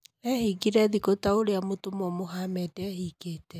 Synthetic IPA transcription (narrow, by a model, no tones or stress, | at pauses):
ɛhiɡiɾɛðiɡotaoɾeamotomɔmoɦamɛdɛhiɡetɛ